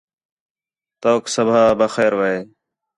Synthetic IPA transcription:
t̪oːksəbʱaːbəxeːɾʋəeː

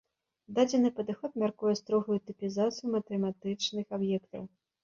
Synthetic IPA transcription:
d̪ad͡zʲɛnɨpɐd̪ɨxɔt̪mʲarkujɛst̪ɾɔɣujut̪ɨpʲizat̪sɨjumɐt̪ɛmat̪ɨt͡ʂnɨxabjɛkt̪ɐ̰w

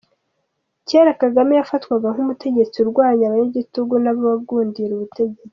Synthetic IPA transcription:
ceɾakaɡamijafatwaɡaŋ̥umute̞ɟe̞t͡siuɾɡwaːɲaβaɲeɟituɡunaβoβaɡuːndiɾuβute̞ɟe̞t͡si̥

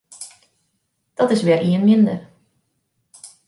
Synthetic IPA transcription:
d̥ɔtɪsʋɪːɾʔiənmɪndər

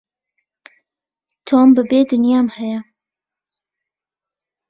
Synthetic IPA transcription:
t̪ʰoːmbɨbeːd̪ɨnjɑːmhɛjɛ

